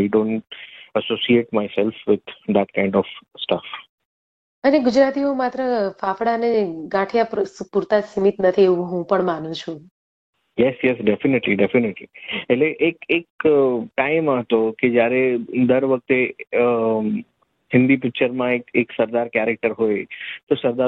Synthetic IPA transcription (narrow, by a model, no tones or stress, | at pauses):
aɪɖõːɳʈəsosieʈmaɪsɛlfʋɪd̪d̪æʈ̚kãɪɳɖɔfsʈəf | əneɡʊd͡ʒɾat̪iõmat̪ɾəfafɽaneɡãʈʰjappuɾt̪asimit̪nət̪ʰieʋũɦũpəɳmanũt͡ʃʰũ | jɛsjɛsɖefɪnɪʈliɖefɪnɪʈlieleʔekek̚ʈaɪmãɦət̪oked͡ʒjaɾed̪əɾʋək̚t̪e | hɪ̃nd̪ip̬ɪk̚t͡ʃəɾmãekeksəɾd̪aɾkɛɾek̚ʈəɾɦojt̪osəɾd̪a